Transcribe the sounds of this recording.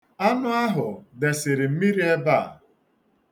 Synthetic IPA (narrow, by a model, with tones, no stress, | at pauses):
a˦nʊ˦a˦ɦʊ˨de˨sɪ˨ɾɪ˨m̩˦mi˦ɾi˦e˦ba˦˨